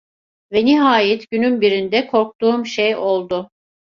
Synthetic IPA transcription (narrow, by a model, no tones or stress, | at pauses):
vɛniɦaːjɛt̪ɟynynbiɾind̪ɛkʰo̞ɾk̚t̪uːmʃejo̞lˠd̪ʊ